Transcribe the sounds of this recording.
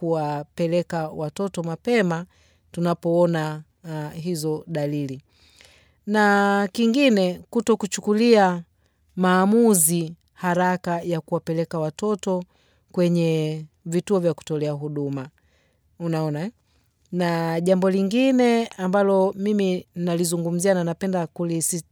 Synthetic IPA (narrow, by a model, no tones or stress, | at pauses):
kuwapɛlɛkawatɔtɔmapɛma | tunapɔɔna | ɦizɔɗalili | nakiŋɡinɛkutɔkut͡ʃukulia | maːmuzi | haɾakajakuwapɛlɛkawatɔtɔ | kwɛɲɛ | vituɔvjaku̥tɔlɛaɦuɗuma | unaɔna | naʄambɔliŋɡinɛambalɔmiminnalizuŋɡum̩ziananapɛndakulisi